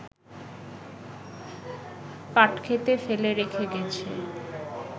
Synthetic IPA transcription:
paʈkʰet̪efeleɾekʰeɡɛt͡ɕʰḛ

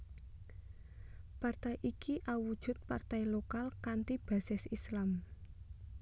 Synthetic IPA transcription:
part̪ajʔikiʔawud̥ʒ̥ʊ̤t̪̚part̪ajlokalkant̪ib̥a̤sɪsislam

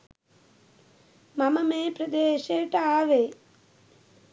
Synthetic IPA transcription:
mɐmɐmeːpɾɐd̪eːʃeːʈaaːʋeː

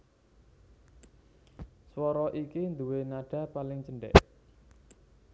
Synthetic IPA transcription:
swɔɾɔʔikind̪uwenaɖ̥ä̤palɪŋt͡ʃəɳɖɛ̰ʔ

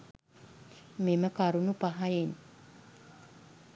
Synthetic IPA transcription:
meməkaɾunupaɦajin

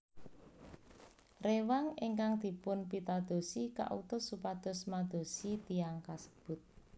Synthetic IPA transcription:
rewaŋeŋkaŋd̪̥i̤pʊnpit̪ad̪̥o̤sika̰ʔṵt̪ʊsupad̪̥ɔ̤smad̪̥o̤sit̪ijaŋkasə̥b̥ʊ̤t̪̚

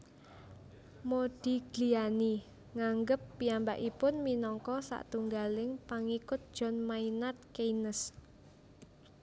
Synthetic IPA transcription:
mod̥i̤ɡ̥liani | ŋaŋɡəpːiamba̰ʔipʊnminɔŋkɔsa̰ʔt̪uŋɡalɪŋpaŋikʊt̪̚d̥ʒ̥ɔ̤nmainat̪̚keinəs

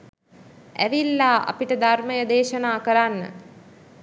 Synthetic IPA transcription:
æ̰ʋilːaːʔa̰piʈəd̪ʱarməjəd̪eːʃənaːkəɾanːə̰

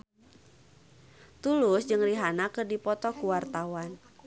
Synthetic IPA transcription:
t̪ulʊsd͡ʒɨŋriɦanakərdipɔt̪ɔkuwart̪awan

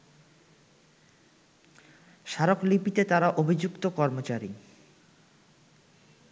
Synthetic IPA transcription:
ʃaɾoklipit̪et̪aɾaʔobʱid͡ʑukt̪okɔɾmot͡ɕaɾi

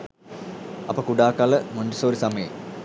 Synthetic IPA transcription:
ɐpːokuɽaːkːaːlɐmoɳɖisoːɾisɐmɐjɐ̰m

